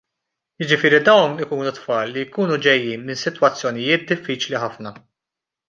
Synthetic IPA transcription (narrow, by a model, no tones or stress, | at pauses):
jɪd͡ʒɪfɪːɾid̪ɐwnɪkuːnut̪fɐːlːijkuːnud͡ʒɛjːiːnmɪnsɪt̪wɐt͡sːjɔnɪjɪːt̪̚d̪ɪfːiːt͡ʃliħɐfnɐ